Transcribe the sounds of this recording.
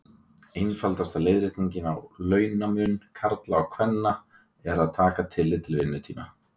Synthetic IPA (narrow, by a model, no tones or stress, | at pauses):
ejnfalt̪ast̪aleːjðɾɪht̪niɲcɪna̰wlœːɥnamʏnkʰaɾt̪laːwkʰvɛnːa | ɛɾaðt̪ʰaːkat̪ʰɪlːɪt̪ɪlvɪnːʏt̪ʰiːma̰